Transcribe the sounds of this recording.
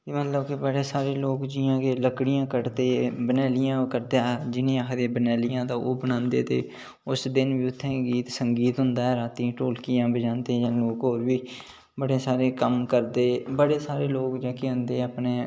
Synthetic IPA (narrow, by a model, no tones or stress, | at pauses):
t̪eːmət̪ləbkebəɽeːsaːɾeːloːkd͡ʒɪːãːkeːləkɽɪjãːkəɽt̪eːbənɛːlɪjãːkəɾd̪eaːd͡ʒɪnẽːakʰd̪eːbənɛːlɪjãːt̪ãːʔoːbənãːnd̪ḛːt̪ḛː | ʊsd̪ɪnʋiːʊt̪ʰːẽːɡiːt̪səŋɡiːt̪ɦʊnd̪aːɦɛːɾaːt̪ĩʈoːlkɪjãːbɪd͡ʒãːnt̪eːd͡ʒãːloːkɦoːɾʋiː | bəɽeːsaːɾeːkəmkəɾd̪eːbəɽeːsaːɾeːloːkd͡ʒaːkeːɦʊ̃nd̪eːapneː